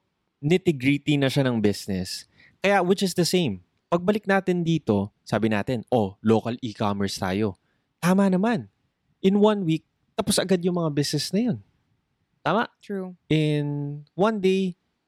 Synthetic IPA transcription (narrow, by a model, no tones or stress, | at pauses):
nɪt̪ɪɡɹit̪inɐʃanɐŋbɪsnɛs | kɐjawɪt͡ʃɪsd̪ɐsẽjm | pɐɡ̚bɐlɪk̚naːt̪ɪnd̪iːt̪o̞saːbɪna̰ːt̪ɪnʔoloːkɐlʔikamɛɹst̪a̰ːjo̞ | t̪aːmɐnɐman | ʔɪnwɐnwik̚ | t̪ɐposʔɐɡad̪̚jʊŋmɐŋabɪsnɛsnɐjo̞n | t̪aːmɐʔʔɪnwɐnd̪ej